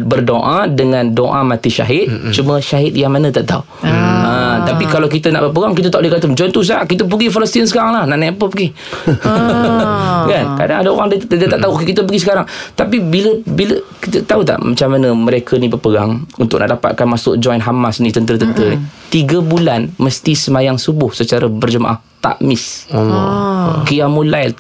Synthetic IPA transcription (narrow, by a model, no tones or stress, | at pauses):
bərdoʔadəŋãndoʔamãt̪iʃa̰ɦɪt̪̚t͡ʃuməʃaɦɪt̪̚jaŋmanə̃t̪aʔt̪au | ət̪apikalawkit̪əna̰ʔbərpəɡaŋkit̪ət̪aʔudekat̪əmd͡ʒɔjnt̪us̬aʔkit̪əp̬əɡifaləst̪insəkaɾaŋlahnaʔnajapəpəɡi | kanka̰da̰ŋadaoɾaŋdiədiət̪aʔt̪auokekit̪əp̬əɡisəkaɾaŋt̪apibiləbiləkit̪ət̪aut̪a̰ʔmat͡ʃamːanəməɾekʰənibərpəɡa̰ŋunt̪ʊkʔnaʔdapa̰t̪̚kanmasʊ̰ʔ̚d͡ʒɔjnɦamasnĩt̪ənt̪ɾət̪ənt̪ənt̪iɡəbulanməst̪isəmajaŋsubʊhsət͡ʃaɾabərd͡ʒəma̰ʔa̰ht̪a̰ʔmɪs | kiamulajl